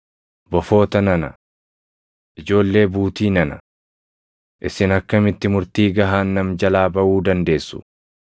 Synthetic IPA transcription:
bɔfo̞ːt̪ɐnɐnɐ̰ | ʔɪd͡ʒo̞ːlːe̞ːbuːt̪iːnɐnɐ | ʔɪsɪnɐkːɐmɪt̪ːɪmʊɾt̪iːɡɐɦaːnːɐmd͡ʒɐlaːbɐʔuːd̪ɐnd̪e̞ːsːʊ̥̰

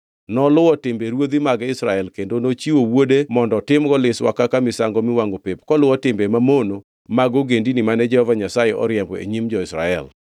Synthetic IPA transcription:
nɔlʊwɔtɪmbeɾwod̪imaɡɪsɾaɛlkendonot͡ʃiwowodemɔndɔtɪmɡɔlɪswa̰kakamɪsaŋɡɔmɪwaŋɡopep̚kɔlʊwɔtɪmbemamono | maɡoɡendinimanɛd͡ʒɛhɔvaɲasajeʔɔ̰ɾjɛmbɔḛɲimd͡ʒɔɪsɾa̰ɛl

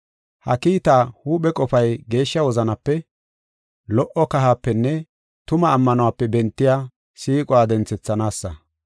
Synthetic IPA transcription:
hɐ̰kiːt̪aːhuːɓɛkʼɔfɐjɡe̞ːʃːɐwɔzɐnɐpːɛ | lɔʔɔkɐɦaːpːɛnːɛ | t̪ʊmɐːmːɐnʊwaːpːɛbɛnt̪ːɪjaː | siːkʼɔwaːd̪ɛnt͡sɛt͡sːɐnaːsːɐ

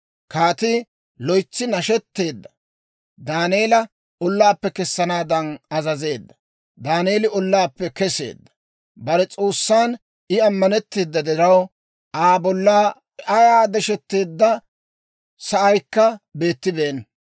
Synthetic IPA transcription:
kaːt̪ɪ | lɔjt͡sːɪnɐʃɛt̪ːe̞ːd̪ːɐ̥ | d̪aːne̞ːlɐ | ɔlːaːpːɛkɛsːɐnaːd̪ɐnɐzɐze̞ːd̪ːɐ̥ | d̪aːneːlɪɔlːaːpːɛkɛse̞̰ːd̪ːɐ̥ | bɐɾɛt͡sʼoːsːaːn | ɪɐmːɐnɛt̪ːeːd̪ːɐd̪ɪɾɐw | ʔaːbɔlːaː | ʔɐjaːd̪ɛʃɛt̪ːe̞ːd̪ːɐ | sɐʔɐjkːɐbe̞ːt̪ːɪbe̞ːn

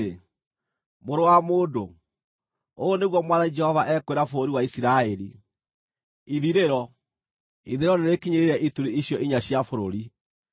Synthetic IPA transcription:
moɾowamoːdo | oneɣwɔmwaðanid͡ʒɛhɔvaʔɛkweɾafoɾoɾiwaisiɾaɛɾi | iðiɾeɾɔ | iðeɾɔneɾekiɲeɾeɾɛʔituɾiiɕijɔʔiɲaɕjafoɾoɾi

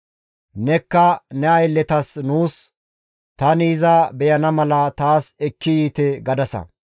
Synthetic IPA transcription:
nɛkːɐnɛɐjlːɛt̪ɐsnuːs | t̪ɐnizɐbɛjɐnɐmɐlɐt̪aːsɛkːɪjiːt̪ɛɡɐd̪ɐsɐ̰

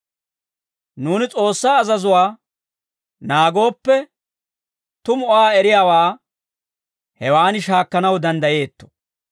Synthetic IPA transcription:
nuːnɪt͡sʼo̞ːsːaːzɐzʊwaː | naːɡo̞ːpːɛ | t̪ʊmɔʔaːɛɾɪjaːwaː | hɛwaːnɪʃaːkːɐnɐwd̪ɐnd̪ɐje̞ːt̪ːɔ̥

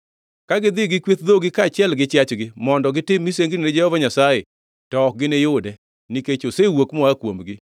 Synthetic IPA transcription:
kaɡɪd̪ɪɡɪkwet̪̚d̪oɡɪkaːt͡ʃɪɛlɡɪt͡ʃjat͡ʃɡɪmɔndɔɡɪtɪmːiseŋɡined͡ʒɛhɔvaɲasaje | tɔk̚ɡɪnejʊdɛ | niket͡ʃosewokmɔakwomɡɪ

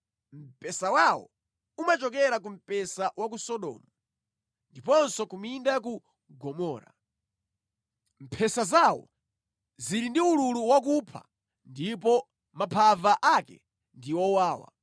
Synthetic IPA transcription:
m̩pɛsawawɔ̰ | umat͡ʃɔkɛɾak̬um̩pɛsawak̬usɔɗɔ̰ːmɔ | ndipɔnsɔkumindak̬u | ɡɔmɔːɾa̰ | m̩pʰɛsazawɔ̰ | ziɾindiululuwak̬upʰa̰ | ndipɔ | mapʰavaʔakɛ̰ | ndiwɔwaːwa̰

